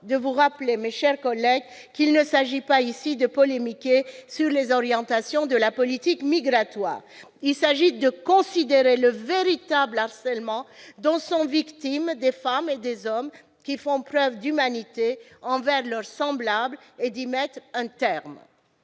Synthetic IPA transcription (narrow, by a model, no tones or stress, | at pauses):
d̪əvuʁaplemeʃɛʁkɔlɛɡ | kilnəsaʒipaisid̪əpɔlemikʲesyʁlezɔʁjɑ̃t̪asjɔ̃d̪əlapɔlit̪ikmiɡʁat̪wa̰ːʁ | ilsaʒid̪əkɔ̃sid̪eʁeləveʁit̪ablaʁsɛlmɑ̃d̪ɑ̃sɔ̃vikt̪imd̪efamed̪ezɔm | kʲifɔ̃pχœvd̪ymanit̪eɑ̃vɛʁlœʁsɑ̃blabled̪imɛt̪χɛ̃t̪ɛʁm